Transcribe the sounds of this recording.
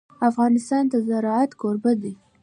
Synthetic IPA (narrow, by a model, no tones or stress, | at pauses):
afɣɑnɪst̪ɑnt̪azaɾɑat̪koɾbad̪i